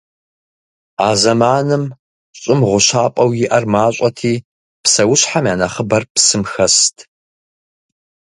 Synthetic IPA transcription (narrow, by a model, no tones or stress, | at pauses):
aːzɐmaːnɨm | ɕʼɪmʁʷʊɕaːpʼɐwjɪʔɐrmaːɕʼɐtʰiː | psɐwʊɕħamjaːnɐχəbɐrpsɨmxɐstʰ